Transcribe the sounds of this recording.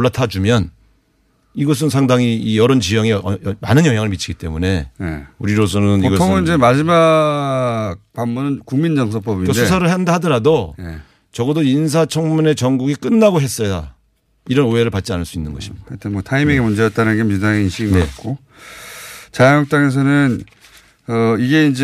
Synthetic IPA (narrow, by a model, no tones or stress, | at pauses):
oɭːatʰad͡ʑumjʌn | iɡʌs̬ʰɯnsʰaŋdaŋiijʌɾʌnt͡ɕijʌŋemanɯnjʌŋjaŋɯɭmit͡ɕʰiɡit͈e̞mune̞jḛuɾiɾos̬ʰʌnɯniɡʌoŋɯd͡ʑemad͡ʑima | ɡ̚pammunɯnkuŋmind͡ʑʌŋs̬ʰʌp͈ʌbiedʰesʰaɾɯɭɦandahadʌɾadoje | t͡ɕʌɡʌdoins̬ʰat͡ɕʰʌŋmune̞t͡ɕʌŋɡuɡik͈ɯnːaɡoɦe̞s͈ʌja̰ | iɾʌnoeɾɯɭpat̚t͡ɕ͈ianɯɭs͈uinːɯnɡʌɕʰi̥kɯʌt͈ʰenmwʌtʰaimeɡemund͡ʑe̞jʌt͈̚aɾɯnɡemidaŋeinɕʰiɡimɡeit̚k͈o | t͡ɕajaŋjʌk̚t͈aŋe̞s̬ʰʌnɯn | ʌiɡe̞ind͡ʑe